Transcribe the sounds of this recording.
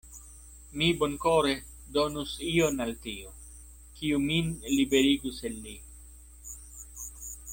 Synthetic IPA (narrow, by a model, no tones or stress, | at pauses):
mibo̞nkoɾe̞ | do̞nusio̞naltio | kiuminlibe̞ɾiɡusenːi